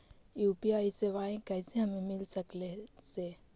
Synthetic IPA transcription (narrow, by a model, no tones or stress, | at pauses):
juːpiaːiseːʋaːẽkɛːseɦɐmẽmɪlsəkleseː